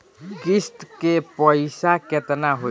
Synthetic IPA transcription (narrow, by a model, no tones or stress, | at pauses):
ɡisʈkepəɪsaket̪naɦo